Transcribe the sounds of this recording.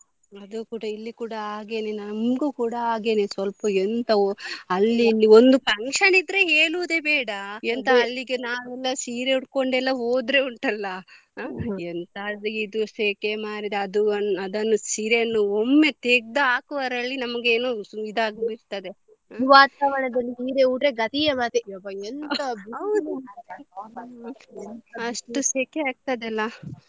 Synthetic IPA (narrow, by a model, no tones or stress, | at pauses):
ɐd̪ukuːɽɐilːikuːɽɐaːɡeːnenɐmɡuːkuːɽɐaːɡe̞ːnesʋɐlpɐent̪ɐoɐlːilːiond̪upɐŋkʂɐnid̪ɾeɦeːɭuʋd̪e̞beːɽɐent̪ɐɐlːiɡenaːʋɛlːɐsiːɾeuɽko̞ɳɖɛlːɐo̞ːd̪ɾeuɳʈɐlːɐ | ent̪aliid̪useːkemaːɽid̪eɐd̪unɐd̪ɐnːusiːɾenːuomːe̞t̪eɡ̚d̪aaːkuʋɐɾɐɭːinɐmɐɡeːnuid̪aːɡbiɾt̪ɐd̪e | iʋaːt̪aʋɐɳɐd̪ɐlːiiːɾeuʈɾeɡɐt̪ijɐmat̪iobɐent̪ɐbiɐwd̪u | ɐʂʈuseːkeaːɡ̚t̪ɐd̪ɛlːɐ